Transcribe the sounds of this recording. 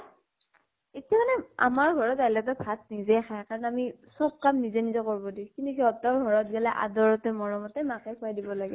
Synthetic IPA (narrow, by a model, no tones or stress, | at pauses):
etijamanɛa̰maɹɡʱɔɹɔtajlatɔbʱat̚nizɛxʰajkaɹɔnamisɔk̚kamnizɛnizɔkɔɹbɔdĩkintuɦiɔtɔɹɡʱɔɹɔt̚ɡɛlɛʔa̰dɔɹɔtɛmɔɹɔmɔtɛmakɛkʰʊajdibɔlaɡɛ